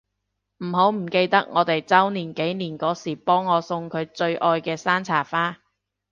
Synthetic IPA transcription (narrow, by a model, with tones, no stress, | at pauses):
m̩˨˩ɦo˨˥wm̩˨˩ke˧jt̪ɐ˥k̚ŋɔː˨˧t̪e˨jt͡sɐ˥wniː˨˩nke˨˥jniː˨˩nkɔː˨˥siː˨˩pɔː˥ŋːɔː˨˧sʊ˧ŋkʰɵ˨˧ɥt͡sɵ˧ɥʔɔː˧jkɛː˧saː˥nt͡sʰaː˨˩faː˥